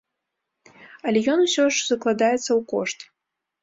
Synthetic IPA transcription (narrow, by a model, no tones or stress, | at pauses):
ɐlʲɛjɔnusʲɔʐz̥ɐklˠad̪ajɛt̪sːɐwkɔ̰ʂt̪